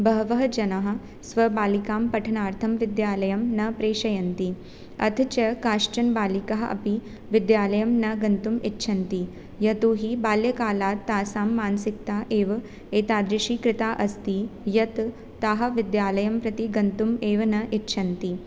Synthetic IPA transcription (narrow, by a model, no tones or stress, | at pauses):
bɐɦɐʋɐɦɐd͡ʒɐnɐɦɐ̆ | sʋɐbaːlikaːmpɐʈʰɐnaːɾt̪ʰɐmʋid̪jaːlɐjɐmnɐpɾeːʃɐjɐnt̪i | ɐ̰t̪ʰt͡ʃɐkaːʂt͡ʃɐnbaːlikɐɦɐʔɐ̰pi | ʋɪd̪jaːlɐjɐmnɐɡɐnt̪umitːʃʰɐnt̪i | jɐt̪oːɦibaːljɐkaːlaːtt̪ːaːsaːmːaːnsikt̪aːʔeːʋɐ | eːt̪aːd̪ɾɪʃiːkɾɪt̪aːʔɐst̪ijɐt̪ː | aːɦɐ̆ʋid̪jaːlɐjɐmpɾɐt̪iɡɐnt̪umeːʋɐnɐʔitːʃʰɐnt̪i